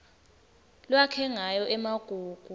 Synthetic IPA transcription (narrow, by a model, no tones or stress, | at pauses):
lwakʰɛŋajɔʔɛmaɡ̥ʱuːɡ̥ʱu